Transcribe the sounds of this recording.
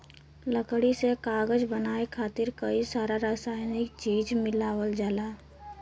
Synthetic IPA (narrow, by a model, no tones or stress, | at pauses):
ləkɽisekaːɡəd͡ʒbənaːekʰaːt̪ɪɾkəisaːɾaɾaːsaːjnɪkt͡ʃiːd͡ʒmɪlaːwəld͡ʒaːlaː